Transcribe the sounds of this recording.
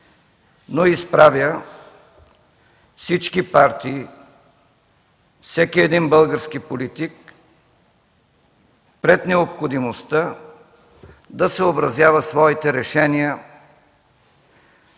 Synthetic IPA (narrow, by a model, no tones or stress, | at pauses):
noispɾavjə | fsit͡ʃkipaɾt̪iː | fsɛkiɛd̪inbəlˠɡəɾskipolit̪ik | pɾɛt̪nɛopxod̪imost̪ə | d̪ɐsɛobɾɐzjavəsvɔit̪ɛɾɛʃɛnijə